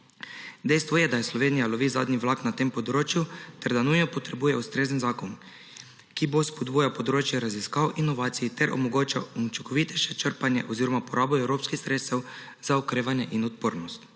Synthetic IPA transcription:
d̪ɛjst̪ʋɔjɛd̪ajɛslɔʋeːnijaloʋiːza̰ːd̪niʋlaːknat̪eːmpod̪ɾoːt͡ʃjut̪ɛɾd̪anujnɔpɔt̪ɾɛbuːjɛust̪ɾeːzənzaːkon | kibospod̪buːjapod̪ɾot͡ʃjɛɾaziskaːwʔinːoʋaːt̪sijit̪ɛɾʔo̰moɡoːt͡ʃaunt͡ʃikɔʋit̪ɛʃɛt͡ʃəɾpanjɛ̰ʔoziɾɔmapɔɾaːboɛwɾoːpskixsɾet̪st̪ɛw | z̥aokɾeːʋanjɛʔinɔt̪̚po̰ːɾnɔst̪

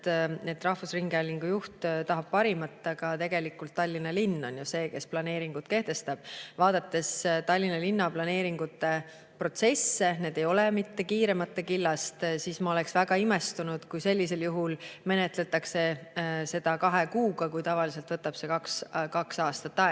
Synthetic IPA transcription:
et̪ːˑrɑhvusriŋɡ̥eɑlʲːiŋɡ̥ujuht̪t̪ɑɦɑb̥̚pɑɾimɑt̪ːˑɑkɑt̪e̞ɡ̥e̞likːˑult̪ːɑlʲːinɑlinːo̞njuse̞ːke̞splɑne̞ːɾiŋɡ̥ut̪̚ke̞ht̪e̞st̪ɑb̥vɑːd̪̥ɑt̪ːe̞st̪ɑlʲːinɑlinːɑplɑne̞ːɾiŋɡ̥ut̪ːˑe̞ | pro̞t̪se̞sːe̞neːd̪̥e̞jo̞lemit̪ːe̞kiːɾe̞mɑt̪ːe̞kilːɑst̪sismɑo̞le̞ksvæɡ̥ɑime̞st̪unud̪̥kujse̞lʲːise̞ljuɦulme̞ne̞t̪ˑle̞t̪ːˑɑkse̞se̞d̪̥ɑkɑɦe̞kuːɡ̥ɑkujt̪ɑvɑlis̬e̞lt̪vɤt̪ːˑɑb̥se̞kɑkskɑksɑːst̪ɑt̪ːɑe

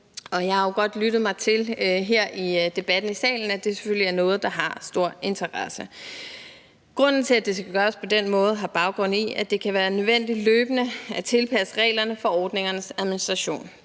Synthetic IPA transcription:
ɒ̽jɑ̈ɪɑ̈joɡ̥ɒ̽d̥lyd̥ð̩ˠmɑ̈ɪt͡sʰe̝lɦeɐ̰ʔid̥e̝b̥æd̥n̩isɛ̰ːln̩æd̥e̝se̥føl̰liæɐnɔ̽ːð̞̩ˠd̥ɑ̈ɦɑ̈sd̥o̝ɐ̰e̝nt͡sʰɐʁɑsə | ɡ̥ʁɔ̽n̰n̩t͡sʰe̝læd̥e̝sɡ̥æɡ̥ɶːɐspʰɒ̽d̥enmɔ̽ːð̞̩ˠɦɑ̈b̥ɑ̈ʊɡ̥ʁɔ̽n̰iæd̥e̝kʰæʋæːɐnøðˠʋen̰d̥i̥løːb̥ənəæt͡sʰe̝lpʰæsə̥ʁɛ̰ːlɐnəfɒ̽ɒːd̥ne̝ŋɐnəsæðˠminisd̥ʁɑɕo̝̰ːn

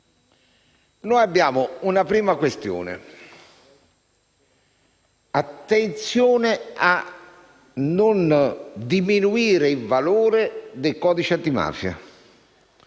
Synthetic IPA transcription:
nɔːjabːjaːmʊunapɾiːmakwest̪jṵːnɪ̰ | at̪ːent̪sjoːnɪa | nːʊnd̪iminuiːɾɪivaluːɾɪd̪ejkɔːd̪it͡ʃɪat̪ːima̰ːfja̰

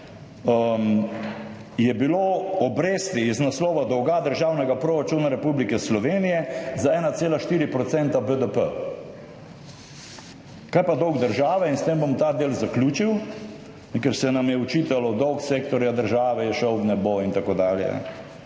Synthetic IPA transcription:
əm | jɛbiloɔbɾeːst̪iiznaslɔːʋad̪ɔwɡad̪əɾʒaːwnɛɡapɾoɾat͡ʃuːnaɾɛpublikɛslɔʋeːnijɛzaɛːnat̪seːlaʃt̪iːɾipɾɔt̪sɛnt̪abəd̪əpə̰ | kaːjpad̪ɔwɡd̪əɾʒaːʋɛinst̪eːmbomt̪aːd̪eːlzaklʲjuːt͡ʃiw | nɛkɛɾsɛnamjɛɔt͡ʃiːt̪alɔd̪ɔwkseːkt̪ɔɾjad̪əɾʒaːʋɛjɛʃəwbnɛboint̪akoːd̪aːljɛ̰ɛ̰

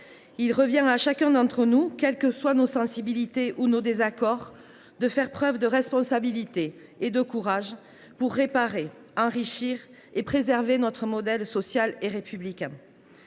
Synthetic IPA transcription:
ilʁəvjɛ̃aʃakɛ̃d̪ɑ̃t̪χənukʲɛlkəswanosɑ̃sibilit̪eʔunod̪ezakɔʁ | d̪əfɛʁpχœvd̪əʁɛspɔ̃sabilit̪eː | d̪əkuʁaʒ | puʁːepaʁe | ɑ̃ʁiʃiʁ | epχezɛʁvenɔt̪χəmɔd̪ɛlsɔsjaleʁepyblikʲɛ̃

